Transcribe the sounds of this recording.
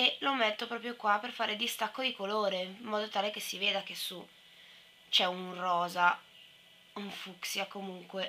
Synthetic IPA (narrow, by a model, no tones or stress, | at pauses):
elomet̪ːopɾɔːpɾjokwaperfaːɾed̪ist̪akːod̪ikoloːɾemːɔːd̪ot̪aːlek̟esːiveːd̪ak̟esːu | t͡ʃɛunrɔːza | uɱfuksjakomuŋkwe